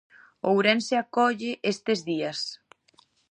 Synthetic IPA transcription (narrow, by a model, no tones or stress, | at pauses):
owɾɛnseakɔʎeʔest̪ezðias